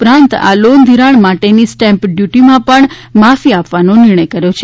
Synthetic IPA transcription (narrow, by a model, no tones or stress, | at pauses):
upɾãnt̪a̰lond̪ʱiɾaɳmaʈenisʈɛmpɖjuʈimãpəɳmafiapʋanonɪɾɳ̃əjkəɾjot͡ʃʰe